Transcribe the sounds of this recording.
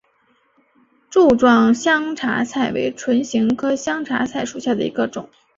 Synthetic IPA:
ʈ͡ʂu˥˧ʈ͡ʂwɑ˥˧ŋɕjɑ˥ŋʈ͡ʂʰa̰˧˥t͡sʰa˥˩ɪwḛ˧˥ɪʈ͡ʂʰwə˧˥nɕi˧˥ŋkʰɤ˥ɕjɑ˥ŋʈ͡ʂʰa̰˧˥t͡sʰa˥˩ɪʂu˨˩ɕja˥˩d̪ə̰˩i˧˥ɡə˧ʈ͡ʂʊ˨˩˦ŋ

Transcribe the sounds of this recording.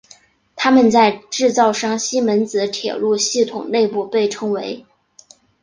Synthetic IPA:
t̪ʰa˥mə˨nt͡sa˥˧ɪʈ͡ʂɻ̩˥˧t͡sɑ˥˧ʊʂɑ˥˩ŋɕi˥mə˧˥nt͡sɹ̩˧˥t̪ʰjɛ̰˨˩lu˥˧ɕi˥˩t̪ʰʊ˨˩ŋne˥˧ɪpu˥˧pe˥˩ɪʈ͡ʂʰɤ˥ŋwe˧˥ɪ

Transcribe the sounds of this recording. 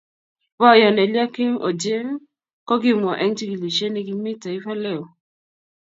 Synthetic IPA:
ba˦˨jɔ˨nɛ˨lja˦ki˦ŋo̰˨d͡ʒe˦ŋ | kɔ˦ɡɪ˦m˨ɔ˨ʔɛ˦ŋti˦ɡi˨li˨ʃe˦ne˦ɡi˦mɪ˦ta˨i˦fa˦lɛ˦˨o˨

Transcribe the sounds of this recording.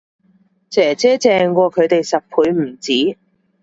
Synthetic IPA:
t͡sɛː˨˩t͡sɛː˥t͡sɛː˨ŋkʷɔː˧kʰɵ˨˧ɥt̪e˨jsɐ˨p̚pʰuː˨˧jm̩˨˩t͡siː˨˥

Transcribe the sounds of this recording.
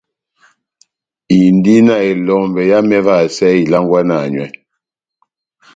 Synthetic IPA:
i˨n˦di˦na˨e˨lɔ˨ŋbɛ˨ja˦mɛ˦va˦˨sɛ˦i˨la˦ŋ˦ɡwa˦na˨ɲwɛ˨˦

